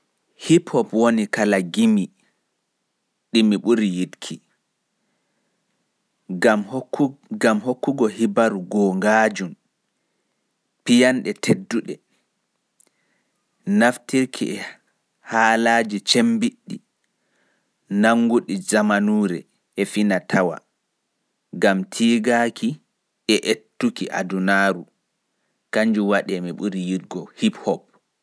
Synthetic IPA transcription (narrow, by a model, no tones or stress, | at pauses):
hipʰɔpwonikalaɡimi | ɗimiɓuɾijidkʰi | m | ɡamhokːuɡɔhibaɾuɡɔŋɡad͡ʒum | pijanɗɛtʰedːuɗɛ | naftiɾkʰḭɛ | haːlaːd͡ʒit͡ʃembiɗːi | naŋːɡuɗid͡ʒamanuːɾɛ̰ | ɛfinatʰawa̰ | ɡamtʰiːɡaːkʰi | ɛʔetːukiʔa̰dunaːɾu | kaɲd͡ʒuwaɗɛmiɓuɾijiɾɡɔhiphɔb̚